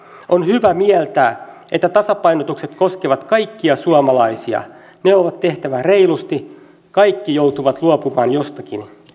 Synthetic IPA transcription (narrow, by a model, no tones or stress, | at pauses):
ʔonhyʋæmiɛlt̪æː | ʔet̪ːæt̪ɑsɑpɑinot̪ukset̪ko̞skeʋɑt̪kɑjkːiɑsuɑmɑlɑisiɑ̰ | neoʋɑt̪t̪ːe̞ht̪æʋæreilust̪i | kɑikːijout̪uʋɑt̪luopumɑːnjost̪ɑkin